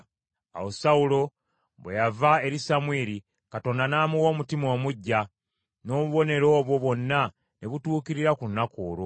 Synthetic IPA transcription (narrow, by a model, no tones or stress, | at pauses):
a̰wosaulo̞ | βwḛjavae̞ɾisamwiːɾi | kato̞ːndanaːmuwo̞ːmutimo̞ːmuɟːa | no̞ːβuβo̞ne̞ɾo̞ːβwo̞βo̞nːa | neβutuːkiɾiɾakunːakoːɾo